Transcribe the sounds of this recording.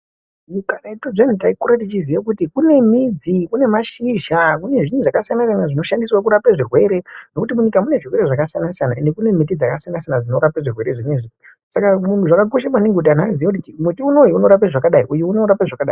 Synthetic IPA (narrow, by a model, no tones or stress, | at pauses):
mukanaitoen̤utaikoɾatit͡ʃiziʋekutikune̞mid͡zikune̞maʃiʒakune̞ʐin̤uʐakasijanasijanaʐino̞ʃandiswak̬uɾapeʐirwe̞ɾe̞no̞kutimuɲikamune̞ʐirwe̞ɾeʐakasijanasijanaendekune̞mit̬id͡zakasijanasijanad͡zino̞ɾapeʐirwe̞ɾe̞ʐineʐinu | sakamuntʰuʐakak̬o̞ʃ̬amwaniŋɡeut̬an̤azijoutit͡ʃimetiunojeuno̞ɾap̬eʐakaɗaiʔujeuno̞ɾapaʐakaɗa̰i